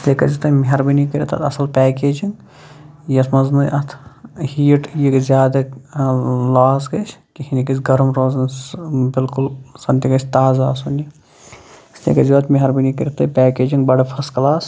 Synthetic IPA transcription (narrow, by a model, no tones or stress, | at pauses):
st̪ʲekɐzit̪ɐmiɦɐɾbinikiɾʲit̪ɐ̰t̪ɐ̰sɐlpʲɛːkeːd͡ʒiŋ | jɐsmɐznɨʔɐt̪ʰhiːʈjikzʲjaːd̪ɐ | laːsɡɐt͡ʃʰkihinʲikɐsʲɡɐɾɐmɾoːzɐnbɪlkʊlsɐnt̪ʲiɡɐt͡ʃʲt̪aːzaːsuni | st̪ʲḛːkɐziʋɐt̪miɦɐɾbinikiɾʲit̪ɐpɛːkeːd͡ʒiŋɡbɐɽɐpʰɐsklaːs